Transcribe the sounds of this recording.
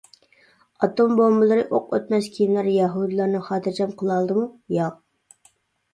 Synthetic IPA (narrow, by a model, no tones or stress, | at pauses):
ɑt̪ombombɨlˠɨɾɨʔoqø̰t̪mɛskʲʰijimlæɾjɛɦud̪ɨlˠɑɾnɨχɑːt̪ʰɨɾd͡ʒʰɛmqʰəlˠɑlˠd̪ɨmujɑ